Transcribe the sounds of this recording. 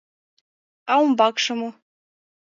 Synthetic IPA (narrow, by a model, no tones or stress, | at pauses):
ɑumbɑkʂɤ̆mo